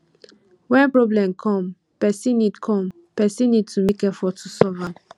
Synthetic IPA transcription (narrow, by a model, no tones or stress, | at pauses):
wɛ̃npɹɔblɛ̃mkʰɔ̃m | pɛsĩnːidkʰɔ̃m | pɛsĩnːid̚tʰumekɛfɔtʰusɔva